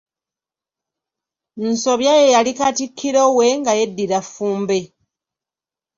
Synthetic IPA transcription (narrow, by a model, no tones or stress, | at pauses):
n̩so̞βjajejalikatikʰːiɾo̞we̞ŋɡaje̞dːiɾafːuːmbe̞